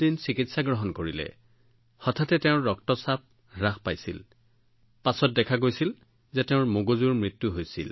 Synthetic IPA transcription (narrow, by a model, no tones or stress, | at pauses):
dinsikitsaɡɹɔɦɔnkoɹilɛ̰ | hɔtʰatɛteʊ̃ɹɔktɔsap̚ | ɹaxpajsil | pasɔt̚dɛkʰaɡojsil | zɛteʊ̃ɹmoɡozuɹmɹitːuɦojsḭl